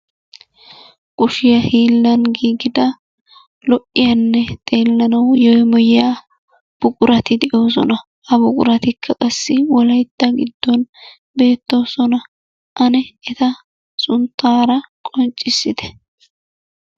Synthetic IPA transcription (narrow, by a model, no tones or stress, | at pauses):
kʼʊʃɪjɐhiːlːɐnɡiːɡɪd̪ɐ | lɔʔːɪjɐnːɛt̪ʼe̞ːlːɐnɐwjɔjmɔjjaː | b̥ʊkʼʊɾɐt̪ɪd̪ɛʔo̞ːs̬ɔ̰nɐ | ʔɐbʊkʼʊ̰ɾɐt̪ɪkʰːɐkʼɐsːɪwɔlɐjt̪ːɐɡɪd̪ːɔn | be̞ːt̪ːo̞ːsɔnɐ | ʔɐnɛɛt̪ɐ | sʊnt̪ːaːɾɐkʼɔnt͡ʃʼːɪsːɪd̪ɛ̥